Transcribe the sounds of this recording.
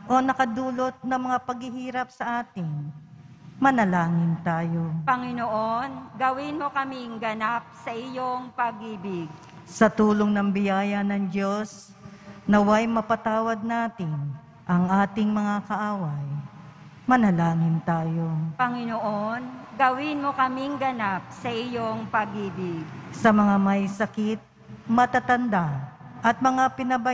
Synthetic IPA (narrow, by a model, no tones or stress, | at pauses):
ʔo̞nɐkɐd̪uːlo̞t̪̚nɐŋmɐŋapɐɡhɪhiːɾɐp̚sɐʔaːt̪ɪŋ | mɐnɐlaːŋɪnt̪aːjo̞pɐŋɪnoʔonɡɐwɪnmokɐmiŋɡɐnap̚sɐʔɪjoŋpɐɡʔiːbɪɡ̚ | sɐt̪uːloŋnɐŋbɪjaːjɐnɐŋd͡ʒo̞s | nɐwajmɐpɐt̪aːwɐd̪̚naːt̪ɪn | ʔɐŋʔaːt̪ɪŋmɐŋakɐʔaːwɐj | mɐnɐlaːŋɪnt̪aːjo̞pɐŋɪnoʔonɡɐwɪnmokɐmiŋɡɐnap̚sɐʔɪjoŋpɐɡʔiːbɪɡ̚sɐmɐŋamɐjsɐkɪt̪̚ | mɐt̪at̪ɐnd̪aʔɐt̪̚mɐŋapɪnɐbɐ